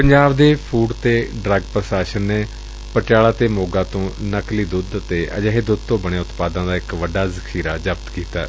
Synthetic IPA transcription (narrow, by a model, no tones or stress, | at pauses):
pəɲd͡ʒaːbd̪eːpʰuːɖt̪eːɖɾəɡpɾəʃaːʃənːeː | pəʈaːlaːt̪eːmoːɡãːt̪õːnəkliːd̪ʊd̪t̪eːʔə̰d͡ʒəɦeːd̪ʊd̪̚t̪õːbəɽ̃eːʊt̪paːd̪ãːd̪aːɪkʋəɖaːzəkʰiːɾaːd͡ʒəbt̪kiːt̪aː